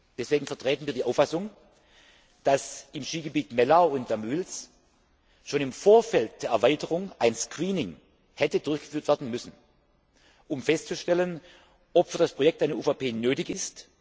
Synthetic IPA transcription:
d̥ɛsv̥eːɡŋ̩fɐtʁ̥eːtn̩viːɐdiːʔaʊfasʊŋ | d̥asɪmʃiːɡəbiːtmɛlaʊʊntd̥amyːls | ʃoːnɪmfoːɐfɛlt̚d̥eːɐɛɐvaɪtəʁʊŋʔaɪnskʁ̥iːnɪŋ | hɛtədʊɐçɡ̥ə̥fyːɐtv̥ɛɐdn̩mʏsn̩ | ʔʊmfɛstt͡suʃtɛlən | ʔɔpfyːɐdaspʁ̥ojɛk̚taɪnəʔuːfapʰeːnøːtɪçɪst

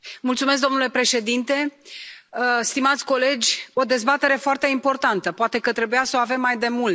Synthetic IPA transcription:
mult̪sumes̬k̚d̪o̞nule̞pɾe̞ʃe̞d̪int̪e̞ | st̪imat̪sʲko̞le̞d͡ʒʲo̞d̪e̞zbat̪e̞ɾe̞foart̪e̞impo̞rt̪ant̪əpoat̪e̞kət̪ɾe̞bujasəoave̞mːajd̪e̞mul

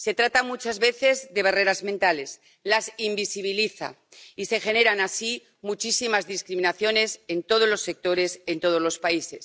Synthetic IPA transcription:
se̞t̪ɾat̪amut͡ʃazβe̞θe̞zðe̞β̞are̞ɾazmẽnt̪ale̞s | lasimbisiβ̞iliθa̰ | ise̞xe̞ne̞ɾanasi | mut͡ʃisimazðiskɾimĩnaθjo̞ne̞se̞nt̪o̞ð̞o̞zlo̞sːe̞k̚t̪o̞ɾe̞se̞nt̪o̞ð̞o̞zlo̞spaise̞s

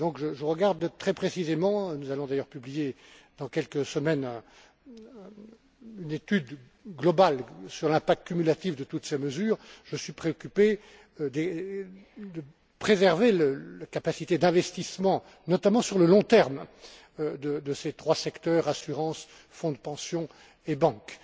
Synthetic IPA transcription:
d̪ɔ̃kʒəʒəʁəɡaʁd̪t̪χɛpχesizemɑ̃nuzalɔ̃d̪ajœʁpyblijed̪ɑ̃kʲɛlkəsəmɛnɛ̃ | ynet̪yd̪ | ɡlɔbalsyʁlɛ̃pak̚t̪̚kʲymylat̪ivd̪ət̪ut̪seməzyːʁʒ̥əsɥipχeɔkʲype | d̪e | d̪ə | pχezɛʁveləlakapasit̪ed̪ɛ̃vɛst̪ismɑ̃ | nɔt̪amɑ̃syʁləlɔ̃t̪ɛʁm | ød̪əd̪əset̪χwasɛkt̪œːʁasyʁɑ̃s | fɔ̃d̪pɑ̃sjɔ̃ | ebɑ̃k

